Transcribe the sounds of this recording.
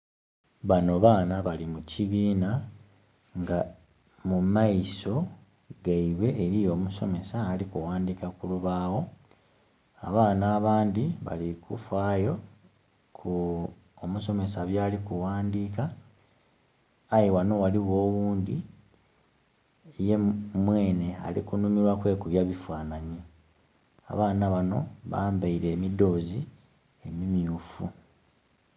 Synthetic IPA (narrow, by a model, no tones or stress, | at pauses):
βano̞βaːnaβalimuciβiːna | ŋɡa | mumajiso̞ | ɡaiβe̞ːɾijo̞ːmuso̞me̞saːlikuwaːndikakuluβaːwo̞ | aβaːnaːβaːnd̪iβa̰likufaːjo̞ | kʰu | omuso̞me̞saβjaːlikuwaːndiːka | jewano̞waliɣoːwuːnd̪i | jemwe̞ːne̞a̰lḭkunumiɾwakwe̞ːkuβjaβifwaːnaɲe | a̰βaːnaβano̞βa̰ːmbaiɾe̞ːmido̞ːzi | e̞mimjuːfu